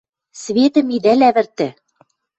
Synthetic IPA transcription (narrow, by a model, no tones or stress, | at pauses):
sβet̪ə̆mid̪ælæβɘ̆rt̪ɘ̆